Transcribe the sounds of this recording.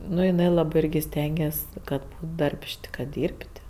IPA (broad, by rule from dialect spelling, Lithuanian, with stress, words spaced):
ˈnʊ jɪˈnɐɪ ˈlˠɑːbɜ ˈɪrʲɡʲɪ ˈsʲtʲɛŋʲɡʲɛsʲ ˈkɐt ˈdɐrʲpʲʃʲtʲ kɐt ˈdʲiːrʲpʲtʲ